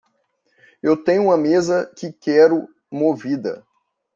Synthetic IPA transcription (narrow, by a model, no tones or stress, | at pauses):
ewt̪ẽɲʊ̃ũmɐmezɐkɪkɛɾʊ | movid̪ɐ̰